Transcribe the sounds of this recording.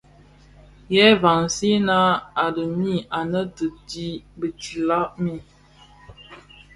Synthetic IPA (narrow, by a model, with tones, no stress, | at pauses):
jɛ˦va˨ŋsi˦na˦a˨də˨mi˦˨ʔa˨nə˦tə˨di˦bə˨ti˨la˦ʔmi˦